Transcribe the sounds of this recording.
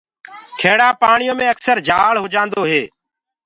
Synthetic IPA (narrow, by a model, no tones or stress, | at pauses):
kʰeːɽaːpaːɳɪjõːmẽːəksəɾd͡ʒaːɭɦʊd͡ʒãːnd̪oːɦeː